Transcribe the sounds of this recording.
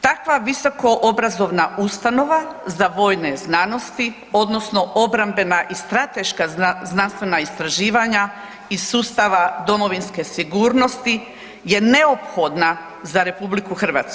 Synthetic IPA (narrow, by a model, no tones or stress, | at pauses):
t̪akʋaʋiso̞ko̞ʔobɾazo̞ʋnaʔust̪ano̞ʋazaʋo̞ːjneznano̞st̪i | o̞d̪no̞sno̞ʔo̞bɾambe̞naʔist̪ɾat̪e̞ʃkaznanst̪ʋe̞naist̪ɾaʒiːʋaɲa | isuːst̪aʋad̪o̞mo̞ʋinske̞siɡuːɾno̞st̪i | je̞ne̞opxo̞d̪na | zaɾe̞publikuxr̩ʋa̰ːt̪sku̥